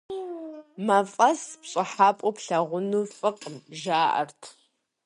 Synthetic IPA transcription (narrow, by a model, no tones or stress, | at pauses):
mɐfʼɐspɕʼɪħaːpʷʼʊpɬɐʁʷʊnuːfʼɨqʼəmʒaːʔɐ̰rtʰ